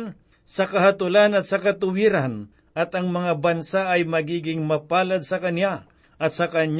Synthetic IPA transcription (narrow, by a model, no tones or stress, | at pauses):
n | sɐkɐɦat̪ʊlanɐt̪̚sɐkɐt̪ʊwiɾan | ʔɐt̪ɐŋmɐŋabɐnsaɐjmɐɡiːɡɪŋmɐpaːlɐd̪̚sɐkɐnja | ʔɐt̪̚sɐkɐɲ